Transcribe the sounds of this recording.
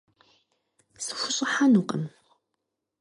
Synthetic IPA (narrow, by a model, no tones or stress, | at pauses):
sɨ̥xʷʊɕʼɨħanuqʼə̰m